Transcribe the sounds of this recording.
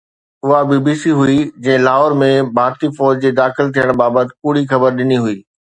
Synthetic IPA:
ʊɦabiːbiːsiɦuid͡ʑɐ̃ɦɪ̃laːɦɔːɾmẽbʱaːɾt̪ifɔːd͡ʑd͡ʑeːd̪aːxɪlt̪ʰijəɽ̃baːbət̪ɪ̥̆puːɽ̤ixɐbəɾɗɪniɦʊiː

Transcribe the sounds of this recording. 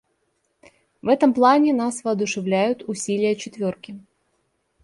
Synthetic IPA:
vɛt̪əmplˠanʲɪnasvəːd̪ʊʂɨvlʲæjʊt̪ʊsʲilʲɪjət͡ɕɪt̪vʲorkʲɪ

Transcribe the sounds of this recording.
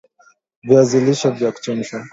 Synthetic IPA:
viaziliʃɔvjaku̥t͡ʃɔm̩ʃa

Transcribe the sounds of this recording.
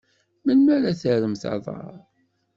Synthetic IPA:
mənmæɾæθəɾəmθɑ̰ðˤɑ̰ɾˤ

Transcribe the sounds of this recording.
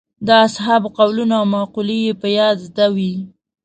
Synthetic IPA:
d̪əasɦabqawlunaawmɑqulijepəjɑd̪zd̪awi

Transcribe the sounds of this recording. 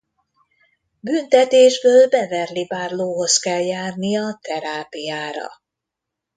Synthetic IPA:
bynt̪ɛt̪eːʒbøːlbɛvɛrlibaːrloːɦo̞skɛljaːrnijɒt̪ɛɾaːpijaːɾɒ̰

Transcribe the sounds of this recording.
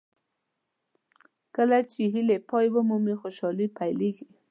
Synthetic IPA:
kəlat͡ʃɪɦɪlepɔjbomʊmexoʃɑlipajleɡi

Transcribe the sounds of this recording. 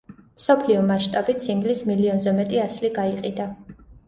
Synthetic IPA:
msɔpʰliɔmaʃt̪ʼabit̪sʰimɡlismiliɔnzɛmɛt̪ʼiasliɡaiqʼid̪a

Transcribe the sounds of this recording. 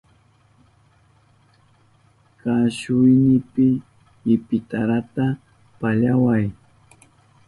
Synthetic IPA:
kaʃʊjnɪpɪ | ɪpɪt̪aɾat̪a | paʎawaj

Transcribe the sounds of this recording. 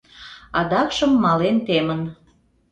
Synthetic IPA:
ɑd̪ɑkʃəmːɑlent̪emən

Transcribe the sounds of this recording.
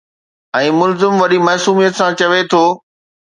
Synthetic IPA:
ɛ̃ːmʊlzɪmʋɐɗimɐːsuːmijət̪sãt͡ɕɐʋet̪ʰoː

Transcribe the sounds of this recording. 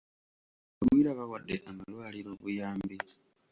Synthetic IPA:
omwiɾaβawadːeʔamalwaːliɾoβujaːmbi

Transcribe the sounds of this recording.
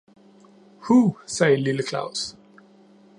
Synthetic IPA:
huːsɛːɪliləkʰlɑ̰̈ʊs

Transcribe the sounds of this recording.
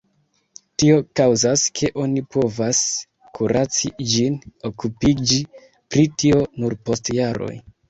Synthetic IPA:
tio̞kawzaskʰe̞ʔo̞nipʰo̞vas | kʰuɾʔat͡sid͡ʒino̞kupid͡ʒi | pɾitio̞nuɾpo̞stjaɾo̞̰j

